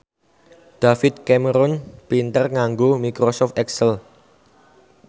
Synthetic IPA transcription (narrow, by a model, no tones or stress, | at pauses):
ɖ̪̥afɪt̪̚kɛməɾɔnpint̪ərŋaŋɡomikɾosɔft̪ɛksəl